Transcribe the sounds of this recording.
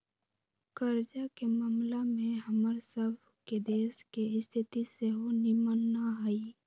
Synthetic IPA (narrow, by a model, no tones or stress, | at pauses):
kəɾd͡ʒakemaːmlamẽɦəməɾsəbʱ | ked̪eːskeɪst̪ʰɪt̪iseɦonɪmənːaɦəi